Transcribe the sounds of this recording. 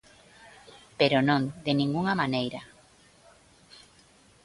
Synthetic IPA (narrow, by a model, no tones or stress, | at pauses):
peɾonõŋd̪enĩŋɡuŋamanejɾa